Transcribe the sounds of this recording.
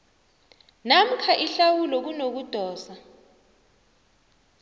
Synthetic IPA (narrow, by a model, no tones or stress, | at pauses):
nam̩kʰaʔiɬawulɔk̬unok̬ud̥ʱɔːsa